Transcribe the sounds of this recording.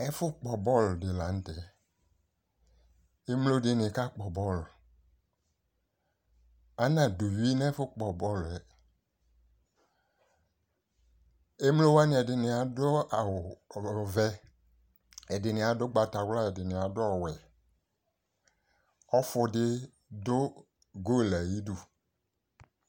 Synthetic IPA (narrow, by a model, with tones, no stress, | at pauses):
ɛ˦fʊ˦k͡pɔ˨bɔ˦ldɪ˨la˨˦n̩˦tɛ˨ | e˦mlo˦dɪ˦nɪ̃˨ka˦k͡pɔ˨bɔ˦˨l | a˦nã˨du˨wi˦n˦ɛ˦fʊ˦k͡pɔ˨bɔ˦˨lɛ˨ | e˦mlo˦wa˦nɪ̃˨ɛ˨dɪ˨nɪ̃˨a˨dʊ˦a˨wʊ˨vɛ˦ | ɛ˨dɪ˨nɪ̃˨a˨dʊ˦ɡ͡ba˨ta˨wla˦ɛ˨dɪ˨nɪ̃˨a˨dʊ˦ɔ˨wɛ˨ | ɔ˦fʊ˦dɪ˦ | dʊ˦ | ɡo˦˨la˨ji˦du˨